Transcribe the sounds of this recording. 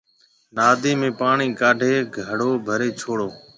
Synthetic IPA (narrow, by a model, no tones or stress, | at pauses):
naːd̪eːmẽːpaːɳiːkaːɖʱeːɡʱəɽoːbʱəɾeːt͡ʃʰoːɽoː